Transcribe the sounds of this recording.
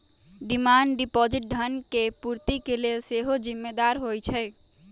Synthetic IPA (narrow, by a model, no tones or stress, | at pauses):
ɖimaːnɖipɔd͡ʒɪʈ̚ɖʱənkepuɾt̪ikelelseɦod͡ʒɪmːed̪aːɾɦojt͡ʃʰɛ